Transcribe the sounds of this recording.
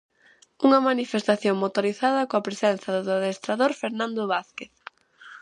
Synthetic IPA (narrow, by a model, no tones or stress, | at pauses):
uŋɐmanifest̪aθjoŋmot̪oɾiθaðɐkoɐpɾesɛnθɐððaðest̪ɾaðoɾfeɾnãnd̪oβaθkeθ